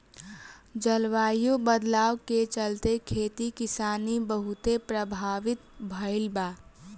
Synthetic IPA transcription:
d͡ʒəlʋaːjobəd̪laːwket͡ʃəlt̪ekʰeːt̪ikɪsaːnibəɦʊt̪epɾəbʱaːʋɪt̪bʱəɪlba

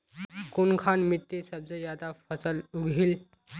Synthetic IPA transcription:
kunkʰanmit̪ːesəb̚d͡zəjad̪afəsəluɡʱiːl

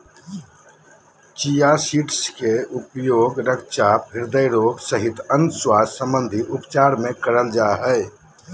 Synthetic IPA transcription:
t͡ʃijasiːʈskeupjoːɡɾəkʰt͡ʃapɦiɾd̪əjɾoːɡsəɦit̪ənswasəmbənd̪ʱiʔupt͡ʃaɾmẽkəɾəld͡ʒaɦəɪ

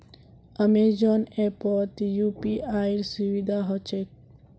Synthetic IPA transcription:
əmed͡ʒɔnepɔt̪jupiʔajɾsuwid̪ʱaɦɔt͡ʃʰek̚

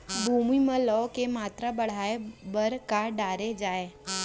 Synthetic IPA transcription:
bʱuːmimə̃lɔkemaːt̪ɾabəɽ̤aːebəɾkaɖaːɾed͡ʒaːe

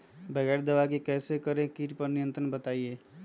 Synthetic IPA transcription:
bəɡɛːɾd̪əʋakikɛːsekəɾẽkiːʈpəɾnijə̃nt̪ɾənbət̪aːieː

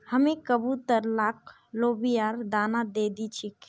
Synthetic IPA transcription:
həmekəbut̪əɾlak | lobijaɾd̪aːnad̪ed̪it͡ʃʰik

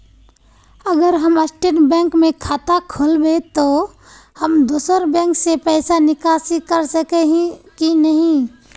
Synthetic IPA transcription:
əɡəɾɦəməsʈeːʈbɛ̃ːŋkmẽkʰaːt̪akʰʊlbet̪o | həmd̪uːsəɾbɛ̃ːŋksepɛːɪsanɪkaːsikəɾsəkeɦĩkinəɦĩ

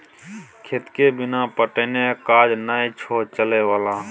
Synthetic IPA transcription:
kʰet̪kebɪnapəʈənekaːd͡ʒnaːit͡ʃʰoːt͡ʃəlewaːlaː

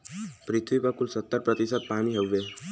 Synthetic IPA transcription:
pɾit̪ʰʋipəkulsət̪ːəɾpɾət̪isəd̪̚pamiɦeʋʋe

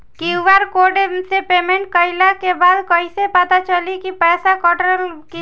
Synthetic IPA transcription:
kiʋaɾkoɖesepeːmẽɳʈ̚kəɪlakebaːd̪kəisepət̪at͡ʃəlikipɛːsakɔʈɾəlki

